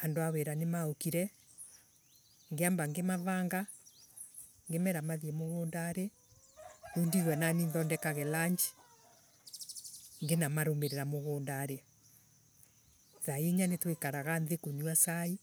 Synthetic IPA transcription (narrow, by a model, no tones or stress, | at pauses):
andoaweɾanemaokiɾɛ | ŋɡeambaŋɡemaβaːŋɡa | ŋɡemɛɾamaðjemoɣoːndaɾe | undiɣwɛnaninðɔndɛkaɣɛlaɲd͡ʒi | ŋɡenamaɾomeɾeɾamoɣoːndaɾe | ðaeɲanetwekaɾaɣanðekuniwasai